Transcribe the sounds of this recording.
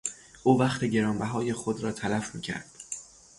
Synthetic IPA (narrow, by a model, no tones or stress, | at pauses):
ʔuːvæχt̪ʰeɟe̞ɾɒːmbæɦɒːje̞xo̞d̪ɾɒːt̪ʰælæfmḭːcʰæ̰ɾd̪̥